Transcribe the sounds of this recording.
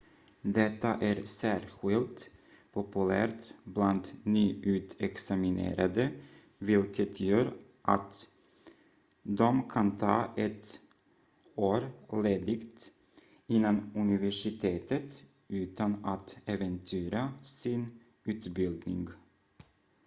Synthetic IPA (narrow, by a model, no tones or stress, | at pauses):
d̪ɛt̪ːaʔæɾsæːɾɧɪlt̪ | pʰʊpɵlæ̰ːɾt̪bland̪nyːʉ̟ːt̪ɛksamɪnḛːɾad̪ə | vɪlkʰət̪ʰjœːɾ | ʔat̪ | d̪ɔmkʰant̪ʰɑ̰ːʔɛt̪ | oːɾleːd̪ɪɡt̪ | ɪnːanɵnɪvæʂɪt̪ʰeːt̪ət̪ | ʉ̟ːt̪anat̪ɛvənt̪ʰyːɾasɪn | ʉ̟ːt̪bɪld̪nɪ̰ŋɡ